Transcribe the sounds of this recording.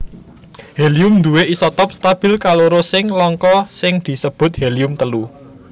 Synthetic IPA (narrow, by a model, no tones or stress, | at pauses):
helijʊmnd̪ṳweʔisɔt̪ɔp̚st̪ab̥ɪ̤lkaloɾosɪŋlɔŋkɔsɪŋd̪̥i̤səb̥ʊ̤t̪̚heliʊmt̪əlu